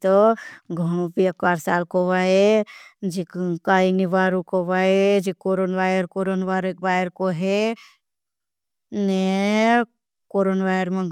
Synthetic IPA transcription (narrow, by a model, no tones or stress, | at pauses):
t̪ɔɡʱɐɽ̃õpiɐkʋaːɾsaːlkoʋaed͡ʒikkainiʋaːɾukoʋaed͡ʒikoːɾonʋaːjəɾkoɾonʋaːɾeʋaːjəɾkoɦe | ne | koːɾonʋajəɾmẽɡ